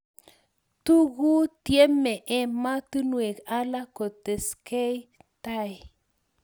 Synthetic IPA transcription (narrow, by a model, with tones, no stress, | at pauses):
tu˦ɡu˦tje˦me˨ʔe˦ma˦tu˦nu˦˨e˨ka˦la˦ko˨te˨ske˦jta˦˨j